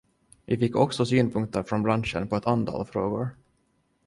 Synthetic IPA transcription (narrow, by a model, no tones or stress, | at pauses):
vɪfɪkːɔksɔsyːnpʰɵŋk̚t̪əɾfɾɔnbɾanʂənpʰɔɛt̪ʰant̪ʰɑ̰ːlfɾoːɡʊɾ